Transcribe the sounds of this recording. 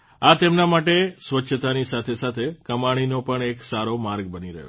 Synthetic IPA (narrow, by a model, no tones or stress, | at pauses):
at̪emnamaʈesʋətːʃʰət̪anisat̪ʰesat̪ʰekəmaɽ̃inopəɳeksaɾomaɾɡbəniɾə̰ɦo̰